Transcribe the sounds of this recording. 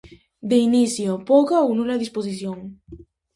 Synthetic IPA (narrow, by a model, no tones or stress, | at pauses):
d̪einiθjopokaownũlaðispos̬iθjoŋ